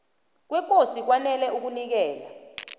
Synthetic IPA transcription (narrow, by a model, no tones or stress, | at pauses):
k̬wɛk̬ʼosik̬wanɛlɛuk̬unik̬ɛːla